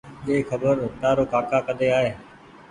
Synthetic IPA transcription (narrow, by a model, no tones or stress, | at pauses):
eːxʰəbəɾt̪aːɾoːkaːkaːkəd̪eːaːɦeː